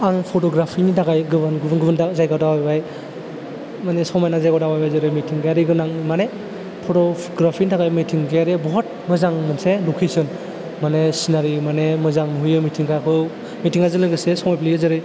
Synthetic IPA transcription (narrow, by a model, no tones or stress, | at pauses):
aŋpʰɔtɔɡɾapʰinidaɡajɡɯbɯnɡɯbnɡɯbɯndazajɡadawajbaj | manesɔŋmajnazajɡawdawajbajzɯɾɯjmitʰiŋɡjaɾiɡɯnaŋmane | pʰɔtɔ | ɡɾapʰinidaɡajmitʰiŋɡaɾiebɔɦɔt̚mɯzaŋmɯnselukʰejsɯn | manesinaɾimanemɯzaŋmɦujɯmitʰiŋkakʰɯ | mitʰiŋazɯnlɯɡɯsesɔŋmajpʰlijɯzɯɾɯj